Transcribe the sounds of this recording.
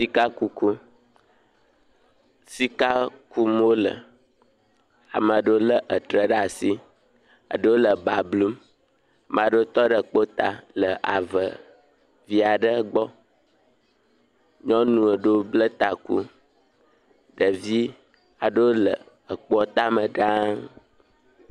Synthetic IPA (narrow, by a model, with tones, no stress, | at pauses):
si˦ka˦ku˦ku˦ | si˦ka˦ku˦m˦o˦lə̰˨ | a̰˨ma˨ɖə˦wo˦lə˦ʔə˨t̪ɾə˨ɖa˨si˦ | ə̰˨ɖə˦wo˦lə˨ba˨blu˦m | a˨m˨a˨ɖə˦o˦t̪ɔ˦ɖə˨k͡po˦t̪a˨lə˨ʔa˨və̰˨ | vi˦a˨ɖə˦ɡ͡bɔ˦ | ɲɔ̃˦nũ˨ə˨ɖo˦blə˦t̪a˨ku˦ | ɖə˨vi˦ | a˨ɖə˦wo˦lə̰˨ | ə˨k͡pɔ˦t̪a˦mə˨ɖã˦ŋ